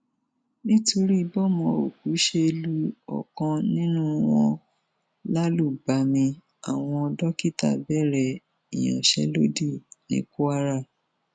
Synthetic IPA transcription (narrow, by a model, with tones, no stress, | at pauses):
nĩ˦to˧ɾi˦˧bɔ˦˨mɔ̃˧o̰˨k̚u˨˦ʃe˦e˧lu˦ɔ̰˨kɔ̃˧nĩ˦nũ˦w̃ɔ̃˦ | la˦lu˦˨ba˨˦mĩ˧ | a˨w̃ɔ̃˧ɔ˧dɔ˦ki˦ta̰˦˨bɛ˦˨ɾɛ˨ | ḭ˨j̃ɔ̰̃˨ʃɛ̰˨˦lo˦di˦˨nḭ̃˨˦ku˦a˧˦ɾa˦˨